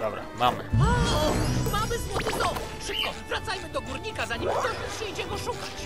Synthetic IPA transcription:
d̪ɔbɾa̰ma̰mɘ̰a | mamɘswɔj̪ɘd̪ɔm | ʂɘp̚kɔvɾat̪sajmɘd̪ɔɡuɾɲikazaɲɛmɔʐɛpuɲejd͡ʑɛɡɔʂukat͡ɕ

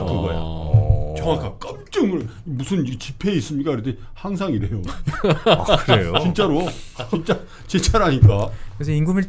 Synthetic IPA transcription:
k͈ɯɡʌjo̰t͡ɕʌŋɦakʰak͈ɯmt͡ɕ͈ɯmɯɭmusʰɯnt͡ɕipʰe̞is͈ɯmɲik͈akɯɾɯtʰe | haŋs̬ʰaŋiɾe̞jo | kɯɾejot͡ɕint͡ɕ͈aɾot͡ɕint͡ɕ͈a | t͡ɕet͡ɕʰaɾɦaɲik͈akkesʰʌiŋɡumiɭ

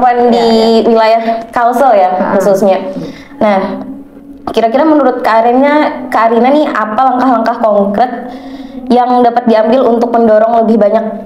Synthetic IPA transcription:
pandiwilajahkausojaxususɲa | nah | kiɾakiɾamənuɾʊt̪̚kaɾinɲakaɾinanɪapalaŋkahlaŋkahkɔŋkɾɛt̪̚jaŋdapat̪̚diambɪlunt̪ʊk̚məndɔɾɔŋləbɪhbaɲak̚

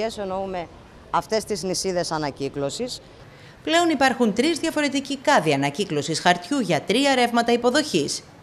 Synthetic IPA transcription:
esonoume̞ | ɐft̪e̞st̪iznisiðe̞sɐnɐciklo̞sis | ple̞o̞nipɐɾxunt̪ɾizðʝɐfo̞ɾe̞t̪icikɐðiɐnɐciklo̞sisxɐɾt̪çuʝɐt̪ɾiɐeɾe̞vmɐt̪ɐipo̞ðo̞çis

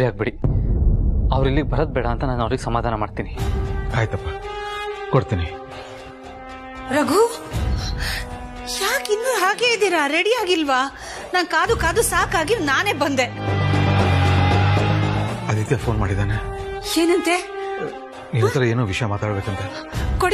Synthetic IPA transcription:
ɾiaːɡ̚beɽi | ɐʋɾilːiɡebɐɾod̪̚bɛːɽɐːnt̪ɐnaːnɐʋɾiɡesɐmaːd̪ʱaːnɐmaːɽt̪iːniaːjt̪ɐpːaː | koɽt̪iːni | ɾɐɡʱu | jaːkinːuɦaːɡeːlid̪iːɾaɾeɽijaːɡilʋa | naːnkaːd̪ukaːd̪usaːkaːɡinaːneːbɐnd̪e | ɐd̪it̪jaːpʰoːnmaːɽid̪aːneeːnɐnt̪e | ninot̪ɐɾɐeːnoːʋiʂɐjɐmaːt̪aːɽbeːkɐnt̪ɐ | koɽi

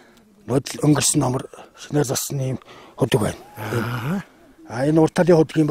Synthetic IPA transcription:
nʊːt̪ə̆ɮɵŋɡɘ̆rsɘ̆nːɔmə̆rʃineːrt͡saɮsə̆niːmxɵt̪ɵ̆kwæ̰ːnen | aenʊr̥t̪aːɮiːŋχʊt̪ɘ̆ɡiːm

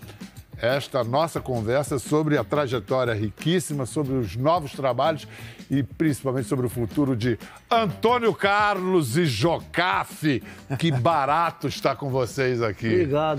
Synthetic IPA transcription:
ɛʃt̪ɐnɔsɐkõvɛɾsɐsobɾɪɐt̪ɾaʒet̪ɔɾiɐɦikisimɐsobɾɪʊznɔvʊst̪ɾabaʎʊsɪpɾĩsipawẽt̪t͡ʃɪsobɾɪʊfut̪uɾʊd͡ʒɪ | ɐ̃t̪õnjʊkaɾlʊzɪʒokafɪkɪbaɾat̪ʊɪʃt̪akõvosejzakiɾiɡa

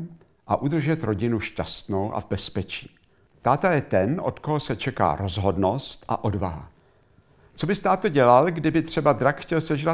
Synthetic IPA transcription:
ʔaʔud̪r̩ʒɛt̪ɾo̞ɟɪnuʃcast̪no̞wʔa̰vbɛspɛt͡ʃiː | t̪aːt̪ajɛt̪ɛno̞̰t̪koɦosɛt͡ʃɛka̰ːɾo̞zɦo̞dno̞st̪ʔa̰ʔo̞dvaɦa̰ | t͡so̞bɪst̪aːt̪ːoɟɛlalɡdɪbɪt̪r̝̥ɛbad̪ɾakxcɛlsɛʒɾa

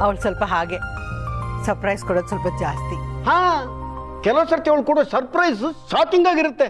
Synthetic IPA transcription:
ɐʋɐɭsɐlpɐɦaːɡe | sɐɾpɾɐjskɔɽoːd̪usɐlpɐd͡ʒaːst̪ihãː | kɛlosɐɾt̪ːiɐʋɐɭkuːɽɐsɐɾpɾɐjssaːt̪iŋɡaːɡiɾut̪ːe

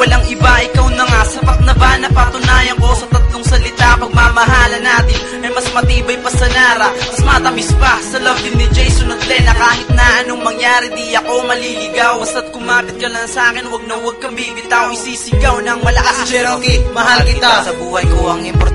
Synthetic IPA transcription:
wɐlaŋɪbaʔɪkawnɐŋasɐpɐt̪̚nɐbanɐpɐt̪ʊnaːjɐŋko̞sɐt̪ɐt̪loŋsɐlɪt̪apɐɡ̚mamɐɦaːlɐnaːt̪ɪnʔɐjmɐsmɐt̪iːbɐjpɐsɐnaːɾɐmɐsmɐt̪ɐmɪspɐsɐlɐb̚d̪ɪnːɪd͡ʒɛjsonɐt̪̚lɛnɐkaːhɪt̪̚nɐʔɐnoŋmɐŋjaːɾɪd̪ijɐko̞mɐlilɪɡawbɐst̪ɐt̪̚kʊmaːpɪt̪̚kɐlanɐsʔaːkɪnwɐɡ̚nɐwɐɡ̚kɐmbiːbɪt̪aːoŋɪsiːsɪɡawnɐŋmɐlɐkaskɛkɪmɐɦalkɪt̪asɐbuːhɐjkoɐŋɪmpɔɾ

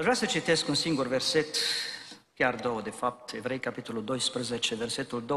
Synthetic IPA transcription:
aʒvɾasət͡ʃit̪eskunsiŋɡurverset̪ | kʲjard̪owd̪efap̚t̪evɾejkapit̪olud̪ojspɾəzet͡ʃeverset̪uld̪o

